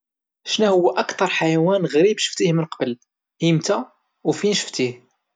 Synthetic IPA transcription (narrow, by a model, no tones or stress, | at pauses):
ʃnæhʊwːæʔækt̪ɑɾˤħajæwænɣɾibʃə̥ft̪ihmənqɑbəl | himt̪æ | wfinʃə̥ft̪ih